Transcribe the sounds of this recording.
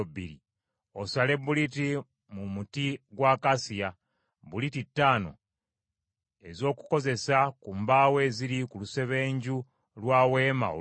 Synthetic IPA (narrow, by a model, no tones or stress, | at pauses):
bḭɾḭ | osale̞buliti | mumutiɡwaːkasija | bulititːaːno̞̰ | e̞zo̞ːku̥ko̞ze̞sakumbaːwe̞ːziɾikuluse̞βe̞ːɲɟu | lwaːweːma̰o̰